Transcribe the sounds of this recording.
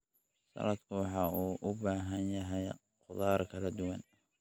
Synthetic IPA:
sɐ̰lɐd̪kʰʊwɑħɑːuːʔʊbaːɦɐnjɐɦɛj | qʊðaːɾkʰɐlɐd̪ʊwɑn

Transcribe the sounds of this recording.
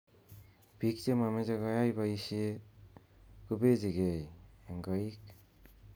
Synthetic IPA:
b̥ik̚t͡ʃemamezaɡajajbaisi | kɯbeziɡejeŋɡaik̚

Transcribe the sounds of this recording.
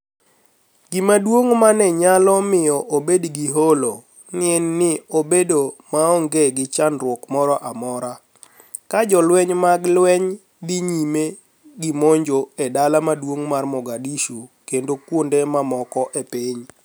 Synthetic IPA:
ɡɪmadwoŋmanɛɲalɔmɪjɔʔobedɡiɦolo | nɪɛnːɪobedomaɔŋɡeɡɪt͡ʃanɾwɔkmɔɾɔʔamɔɾa | kad͡ʒɔlwɛɲmaɡlwɛɲ | d̪iɲime | ɡɪmoɲd͡ʒoɛdalamadwoŋmarmɔɡadiʃukendokwondemamɔkɔʔepiɲ

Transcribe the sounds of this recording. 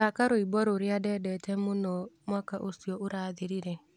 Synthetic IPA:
akaɾoibɔɾoɾjadɛdɛtɛmʊnɔmwakaʔosiɔʔʊɾaðɪɾiɾɛ

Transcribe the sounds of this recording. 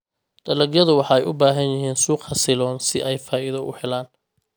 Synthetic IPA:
ɖ̪̥ɐlɐɡjɐðʊwɑħɑːɛjʔʊbaːɦɐnjɪɦiːnsuːqɑsɪlɔːnsɪʔɛjfaːʔɪðɐʔʊ̰ħɛlaːn

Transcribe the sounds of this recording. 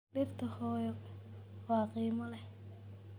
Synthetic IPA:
ɗɪrt̪ʰɐhɔːjɔ | wɑːqiːmɐlɛh

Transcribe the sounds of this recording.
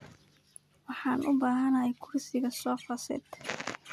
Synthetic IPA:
wɑħɑːnʔʊbaːɦɐnɐɦɛjkʰʊrsɪɣɐsɔːfɐsɛ̰ːt̪

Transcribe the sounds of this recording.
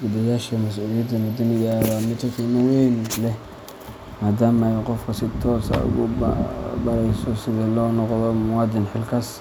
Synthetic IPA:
ɡud̪ɐjaːʃɐmɐsʔuːlɪjɐd̪ɐmʊd̪ɐnɪjaɾamɪt̪ʰɐk̪ʰimɐwejnlɛ | maːd̪aːmɛjqɔfkʰɐsɪt̪ʰɔːsɐ̰ʊ̰ɣʊ̰ | bɐɾɛjsɔsɪðɛlɔːnɔqðɔmʊwɑːd̪ɪnħɪlkʰɐs

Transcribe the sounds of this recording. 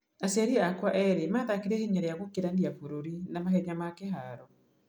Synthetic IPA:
asɛɾiakwaʔɛɾemaðakeɾeheɲaɾeaɣokeɾandiafoɾoɾinamahɛɲamakeɦaɾɔ

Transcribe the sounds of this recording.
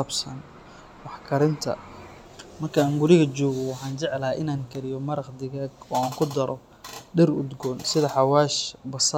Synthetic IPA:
ɐbsɐn | wɑħkʰɐɾɪnt̪ʰɐ̰ | mɐrkʰɐaːŋɡʊɾɪɣɐt͡ʃɔːɣɔwɑħɑːnt͡ʃɛʕɛlɐʔɪnaːŋkʰɐɾɪjɔmɐɾɐqd̪ɪɣaːɡɔːaːŋkʰʊd̪ɐɾʔɔ | ɖɪrʊd̪ɡɔːnsɪðɐħɑwaːʃbɐs

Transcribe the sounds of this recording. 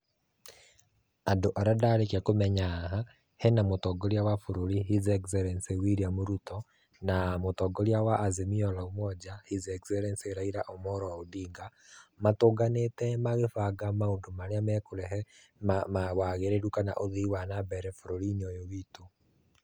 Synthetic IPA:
andoʔaɾadaɾekiakomɛɲaɦa | hɛnamotɔːɡɔɾiawafoɾoɾiɦizɛkzɛɾɛnsewiɾiamoɾutɔ | namotɔɡɔɾiawaʔːzemiɔlaomwɔd͡ʒahizɛkzɛɾɛnseɾaiɾaʔomɔɾɔaodiːŋɡamatoːɡanetɛmaɣefaɡamaoːndomaɾeamɛkoɾɛɦɛ | mmawaɣeɾeɾukana̰ʔoðiwanabɛɾɛfoɾoɾineɔjowiːto

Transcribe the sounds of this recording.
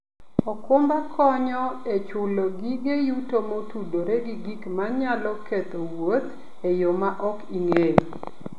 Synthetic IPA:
ɔkʊmbakʰɔɲɔet͡ʃʊloɡiɡejutomotudoɾeɡiɡikmaɲalɔket̪owot̪ | ejomaʔɔkiŋej

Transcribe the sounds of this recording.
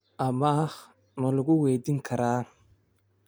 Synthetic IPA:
ɐma | mɐlʊɣʊwɛd̪ɪŋkʰɐɾaː

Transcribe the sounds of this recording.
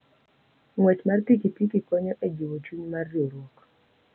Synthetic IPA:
ŋwɛt͡ʃmarpikipikikɔɲɔʔed͡ʒiwot͡ʃuɲmarjoɾwɔk

